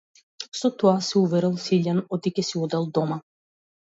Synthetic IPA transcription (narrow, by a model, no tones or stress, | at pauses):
sɔt̪ɔasɛuvɛɾɛlˠsiʎʲanɔt̪ikɛsiɔd̪ɛlˠd̪ɔma